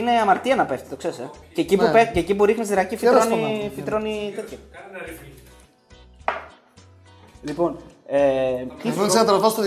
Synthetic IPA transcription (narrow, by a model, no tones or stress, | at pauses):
ine̞ɐmɐɾt̪iɐnɐpeft̪i̥t̪o̞kse̞ɾsececiupececipuɾixnis̬ðɾɐcifit̪ɾonifit̪ɾonit̪et̪çɐ | lipo̞net̪iɾoisenɐt̪ɐɾovost̪